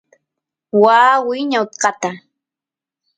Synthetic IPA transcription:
waːwɪjɲawt̪qɑt̪a

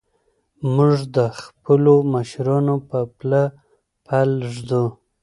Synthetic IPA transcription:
muʐd̪əxpəlomaʃɾɑnopəpla | pʰalʐd̪u

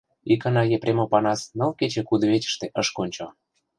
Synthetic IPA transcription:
ikɤ̆nɑjepɾʲʔemopɑnɑsnɤ̆lket͡ɕĕkud̪ŏβet͡ɕə̥̆ʃt̪ĕʔəʃkonʲt͡ɕo

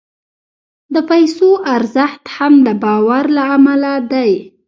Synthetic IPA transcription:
d̪əpajsoʔaɾzəxt̪hamd̪əbɑwaɾlaamalad̪aj

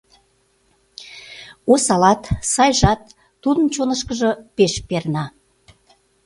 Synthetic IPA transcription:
osɑlɑt̪sɑjʒɑt̪ː | ud̪ənt͡ɕonəʃkəʒəpeʃpernɑ

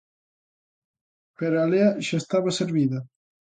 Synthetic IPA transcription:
peɾaleaʒast̪aβaseɾviða

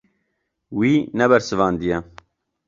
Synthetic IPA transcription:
wiːnɛbɛɾsɨvɑːnd̪ijɛ

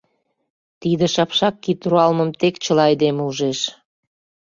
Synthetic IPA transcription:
t̪id̪ĕʃɑpʃɑkːit̪uɾuɑlmə̆mt̪ekt͡ɕə̆lɑjd̪emuʒeʃ

